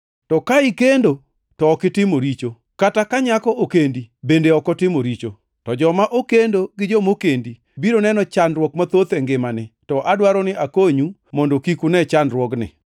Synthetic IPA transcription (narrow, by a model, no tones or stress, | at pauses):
tɔkaɪkendo | tɔːkɪtɪmoɾit͡ʃo | katakaɲakɔokendibendeɔkɔtɪmoɾit͡ʃo | tɔd͡ʒɔmaʔokendoɡɪd͡ʒomokendi | biɾonɛnɔt͡ʃanɾwɔkmat̪ot̪ɛŋɡɪmanɪtɔʔadwaɾɔnɪʔakoɲu | mɔndokikunɛt͡ʃanɾwɔknɪ̰